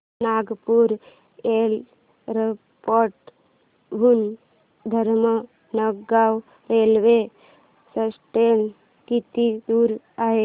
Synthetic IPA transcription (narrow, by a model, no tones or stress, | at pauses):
naːɡpuɾ | eːl | ɾe | poɾʈ | bʱun | d̪ʱəɾmə | nəɡɡaːw | ɾeːlʋe | səsʈen | kit̪id̪uːɾ | aɦe